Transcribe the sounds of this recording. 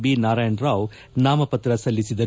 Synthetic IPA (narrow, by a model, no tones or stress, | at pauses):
binaːɾaːjɐɳɾaːw | naːmɐpɐt̪ɾɐsɐlːisid̪ɐɾ